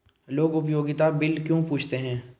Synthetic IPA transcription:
loːɡʊpjoːɡɪt̪abɪlkjõːpuːt͡ʃʰt̪eɦɛ̃ː

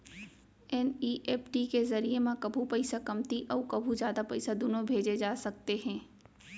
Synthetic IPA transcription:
ɛniːʔeːpʰʈikezɐɾiemãkɐbʱũpɐɪsakɐmt̪iʔɔːɾkɐbʱũd͡ʒjaːd̪apɐɪsad̪ʊnõbʱeːd͡ʒed͡ʒaːsɐk̚t̪eɦɛ̃ː

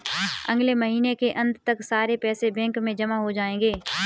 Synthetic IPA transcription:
ɐ̰̃ŋɡleməɦiːnekeʔɐ̃nd̪ʱt̪ɐksaːɾepɛːsebɛ̃ːŋkmẽd͡ʒɐmaɦod͡ʒaːẽːŋɡeː

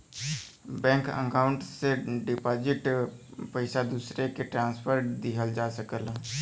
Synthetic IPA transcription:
bɛ̃ːŋkə̰kaːʊɳʈseɖɪpaːd͡ʒɪʈpəɪsad̪uːsɾekeʈɾãːspʰəɾd̪iɦəld͡ʒaːsəkəl

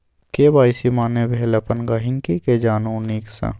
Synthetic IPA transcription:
keːbaːjsimaːnebʱeːlɐpɐnɡaːɦɪ̃ŋkiked͡ʒaːnuːniːksã̰

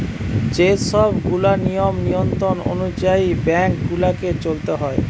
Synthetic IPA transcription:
d͡ʑeʃɔbɡulanijomnijont̪ɾono̰nud͡ʑaibɛŋkɡulaket͡ɕolt̪eɦɔe

